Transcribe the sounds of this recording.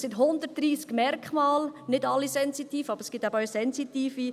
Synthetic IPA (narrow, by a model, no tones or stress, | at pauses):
sɪtɦʊnd̪ərtd̥ɾiːskmɛɾkχmɑːlnɪdɑlːisɛnsit̪iːfɑbəɾəskɡ̥ɪtæbəœsɛnsit̪iːfi